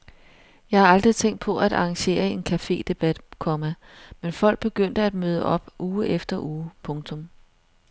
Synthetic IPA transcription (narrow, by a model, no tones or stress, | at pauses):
jɑ̈ɪhɑ̈ɑ̈ld̥ʁit͡sʰeŋ̰d̥̚pʰɒ̽ʔæɾɑ̈ɑŋɕe̝̰ːɐe̝nkʰæfe̝̰ːd̥e̝b̥æd̥kʰɒ̽mæmenfɒ̽l̰ɡ̥̚b̥e̝ɡ̥øn̰d̥əæd̥møð̞ˠəʔɒ̽b̥ʔuːʔefd̥ɐʔuːpʰɔ̽ŋt͡sʰɔ̽m